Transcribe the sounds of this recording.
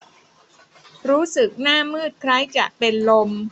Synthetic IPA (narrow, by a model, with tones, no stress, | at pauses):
ɾuː˦˥sɯ˨˩k̚naː˥˩mɯː˥˩t̪̚kʰɾa˦˥jt͡ɕa̰ː˨˩k̚pe˧nlo˧m